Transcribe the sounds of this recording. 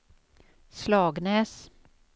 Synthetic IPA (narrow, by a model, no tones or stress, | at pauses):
slɑːɡnɛːs